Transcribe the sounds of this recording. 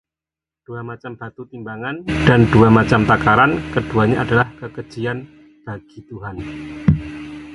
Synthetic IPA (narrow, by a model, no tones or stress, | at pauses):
d̥uamat͡ʃamb̥at̪ut̪imbaŋand̥anduamat͡ʃamt̪akaɾankəd̥uaɲaʔadalahkəkə̥d͡ʒ̥ian | b̥aɡ̥it̪uɦan